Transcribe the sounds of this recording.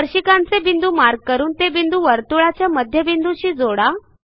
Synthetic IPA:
əɾɕikant͡sebind̪uːmaɾɡ̚kəɾuːnt̪ebind̪uːʋəɾt̪uɭat͡ɕjaməd̪ʱjəbind̪uɕiːd͡zoɽa

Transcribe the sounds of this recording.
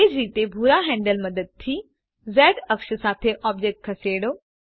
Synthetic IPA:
eːd͡ʑɾiːt̪ebʱuːɾaɦɛ̃ːɳɖəlmɐd̪əd̪̚t̪ʰi | zɛːɖɐkʃəsaːt̪ʰeʔɔːbd͡ʑeːk̚ʈ̚kʰɐseːɽoː

